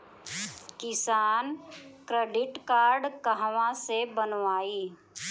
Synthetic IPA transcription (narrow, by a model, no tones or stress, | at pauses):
kɪsaːnkɾeːɖɪʈkaːɾɖkəɦʋãsebənʋaːiː